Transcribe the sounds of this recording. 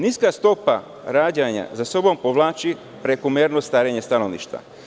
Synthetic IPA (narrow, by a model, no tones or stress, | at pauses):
niskast̪o̞pa̰ | ɾaːd͡ʑaɲa̰zaso̞bo̞mpoʋlˠaːt͡ʃi | pɾekomeɾnost̪aːɾeɲe̞st̪ano̞ʋnḭʃt̪va̰